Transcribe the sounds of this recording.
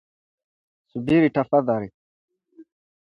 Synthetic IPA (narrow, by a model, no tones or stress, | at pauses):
subiɾiʈafɐd̪aɾi